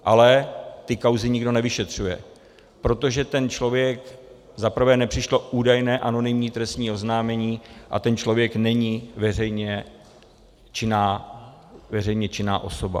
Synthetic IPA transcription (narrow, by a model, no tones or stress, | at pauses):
ʔalɛt̪ɪkawzɪɲɪɡdo̞nɛvɪʃɛt̪r̝̥ujɛ̰ | pɾo̞t̪o̞ʒɛt̪ɛnt͡ʃlo̞vjɛk | zapr̩vɛːnɛpr̝̥ɪʃlo̞ʔuːdajnɛːʔano̞nɪmɲiːt̪ɾɛst̪ɲiːo̞znaːmɛɲiːʔa̰t̪ɛnt͡ʃlo̞vjɛknɛɲivɛr̝ɛjɲɛ | t͡ʃɪnaː | vɛrɛjɲɛt͡ʃɪnaːʔo̞so̞ba̰